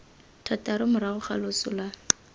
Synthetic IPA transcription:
tʰatʼaɾʊmʊɾaɣʊχa̰lʊsʊla

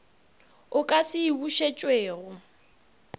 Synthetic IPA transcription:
ʊkʼasɪibuʃet͡ʃʼweːɣʊ

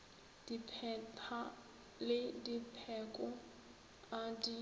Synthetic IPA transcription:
d̥ipʰɛpʰa | lɪdipʰɛkʼɔ | adi

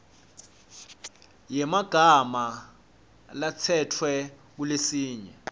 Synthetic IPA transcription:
jɛmaɡ̥ʱama | lat͡sʰɛtʰwɛ | k̬ulesiːɲɛ

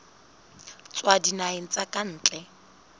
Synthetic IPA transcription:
t͡sʼwadinaɪn̩t͡sʼakʼan̩ːt͡ɬʼɛ

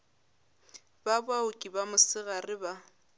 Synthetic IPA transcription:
babwaʊkʼibamʊsɪɣarɪba

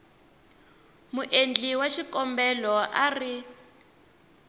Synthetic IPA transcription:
muʔend͡ɮiwaʃikɔmbɛlɔʔari

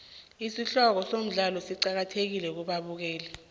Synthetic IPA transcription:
isiɬɔk̬ɔsom̩ɮalɔsiǃak̬atʰek̬ilɛk̬uɓaɓuk̬ɛːlɛ

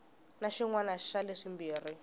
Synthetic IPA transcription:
naʃiŋwanaʃaleʂimbiːri

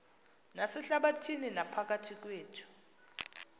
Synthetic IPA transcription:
nasɛɬaɓatʰininapʰak̬atʰik̬weːtʰu̥

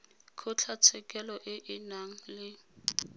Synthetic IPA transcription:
kʰʊt͡ɬʰat͡sʰɛkʼɛlɔʔɪʔɪnaŋ̩lɪ

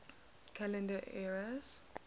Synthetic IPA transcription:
kʰalɛ̃ndəʔɛɹaz̥

